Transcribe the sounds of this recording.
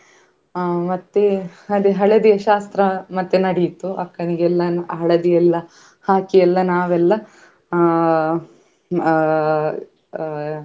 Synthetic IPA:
mɐt̪ːeɐd̪eɦɐɭɐd̪ijɐʃaːst̪ɾɐmɐt̪ːenɐɽit̪uɐ̰kːɐniɡɛlːɐɦɐɭɐd̪ijɛlːɐ | haːkijɛlːɐnaːʋɛlːɐ

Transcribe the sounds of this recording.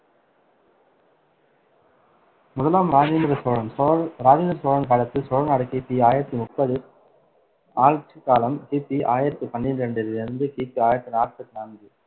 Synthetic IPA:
mʊðɐlaːmɾaːd͡ʒɛnd̪ɾɐsoːɻɐnɾaːd͡ʒɪnd̪ɾɐsoːɻɐnkaːɽɐt̪ːɯsoːɻɐnaːɽɯkiːpːiaːjɪɾɐt̪ːimʊpːɐðɯ | aːɻt͡ʃɯkaːlɐmkiːpːiʔaːjɪɾɐt̪ːɯpɐɳːɪndɾɐɳɖɯɾɪnɪɾnd̪ɯkiːpiaːjɪɾɐt̪ːɯnaːɾpɐt̪ːinaːnɡ̪ɯ

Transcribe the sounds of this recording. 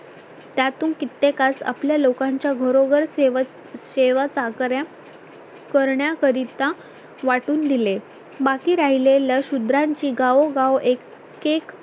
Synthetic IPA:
t̪jat̪uːnkit̪ːekasa̰pljalokãɲt͡ɕjaɡʱəɾoɡəɾ | ɕeʋat͡sakɾja | kəɾɳjakəɾit̪ã | ʋaʈuːnd̪ile | bakiːɾaɦilelaɕud̪ɾaɲt͡ɕiːɡaʋoɡaʋek | ek

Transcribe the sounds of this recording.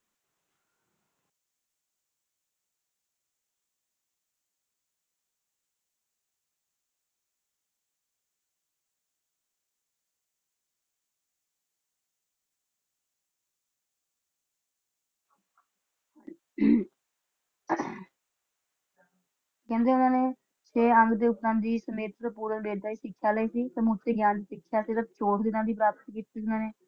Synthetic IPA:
kɛ̃ːnd̪eːʊnãːneː | t͡ʃeːə̃ŋɡd̪eːʊpnãːnd̪iːsəmeːt̪ɾəpuːɾəbeːɾd̪aːiːsɪkʰːjaːləiːsiːt̪ãːmʊt̪eːɡjaːnd̪iːsɪkʰːjaːsiːɾat̪t͡ʃʰoːʈd̪ɪnãːd̪iːp̬ɾaːpət̪kiːt̪ːsiːʊnãːneː

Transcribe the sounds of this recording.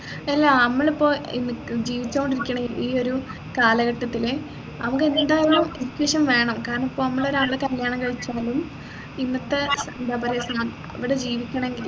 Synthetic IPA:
ɐlːaɐmːɐɭipːo̞ːinːɨd͡ʑiːʋit͡ɕːuoɳɖiɾikʲːɐɳɐiːo̞ɾu | kaːlɐɣɐʈːɐt̪ːile | nɐmuk̬ːend̪aːjɐlumeðikʲːiʋɐʂɐmʋe̞ːɳɐmkaːɾɐɳɐipːo̞ːɐmːɐɭoɾaːɡɭekɐljaːɳɐkɐɻit͡ɕːaːlum | inːɐt̪ːesɐnd̪ɐbɐɾeːsɐnaːn | ɐ̰ʋiɽe̞d͡ʑiːʋikʲːɐɳɐe̞ŋɡil

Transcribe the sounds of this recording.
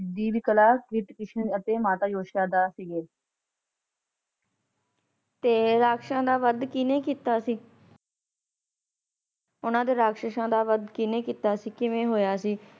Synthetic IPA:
d̪iːbiːkəlaːkɪʈkɪʃnət̪eːmaːt̪aːjoːʃnaːd̪aːsiɡeː | t̪eːɾaːkʃãːd̪aːʋəd̪kɪnẽːkiːt̪aːsiː | ʊnãːd̪eːɾaːkʃəʃãːd̪aːʋəd̪kɪneːkiːt̪aːsiːkɪʋẽːɦoːjaːsiː

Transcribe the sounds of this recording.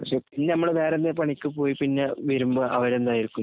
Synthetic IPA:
pɐkʂe̞ːpinːenɐmːɐɭeʋeːɾɐnːepɐɳikʲːɨpo̞ːjipinːeʋiɾumbɨʔɐʋɐɾe̞nd̪aːjiɾikʲːun

